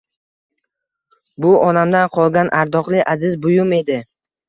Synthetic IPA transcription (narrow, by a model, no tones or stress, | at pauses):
bʊɒnamd̪anqʰɒlˠɡʲanʔaɾd̪ɒqlˠɪʔazɪzbʊjʊme̞d̪ɪ